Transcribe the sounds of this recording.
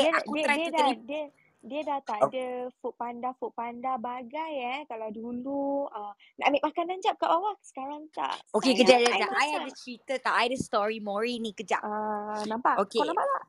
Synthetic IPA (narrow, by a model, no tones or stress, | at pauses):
iədiəɾajiəudaɾidiə | diədat̪aʔdəfoʔpandafoʔpandabaɡajɛkalawduluə | na̰ʔmiʔmakanãɲd͡ʒap̚kaʔbawaʔsə̥kaɾaŋt̪a̰ʔʔokekəd͡ʒaʔdadaʔajɛdət͡ʃɾit̪ət̪aʔajdəst̪ɔɹimoɹinĩkəd͡ʒa̰ʔənãmpaʔokenãpalaʔ